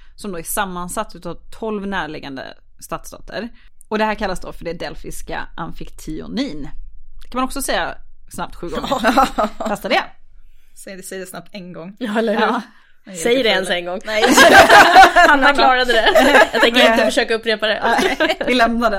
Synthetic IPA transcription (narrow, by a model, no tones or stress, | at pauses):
sɔmd̪oːæʂamːansat̪ːʉːt̪aːvt̪ʰɔlvnæːɭɪːɡand̪ə̰ | st̪at̪sd̪ɑ̰ːt̪ʰə̰ɾ | ɔd̪ɛhæːɾkʰalːasd̪o̰ːfœɖɛd̪ɛlfɪska̰ʔa̰nfɪkt̪ʰɪʊ̰niːnkkʰanmaɔksɔsɛjːasnap̚t̪ɧʉ̟ːɡɔŋːʰ | ast̪ːad̪ɛ | ɛsɛjədɛsnap̚t̪ɛnɡɔŋːɛlə | sɛjəɖɛɛnsɛŋɡɔŋː | hanfæɾklɑːɾad̪əd̪ɛjjɑt̪ɛŋəɾɪnfəʂøːkaɵpɾeːpad̪ɛɪlɛmnad̪ɛ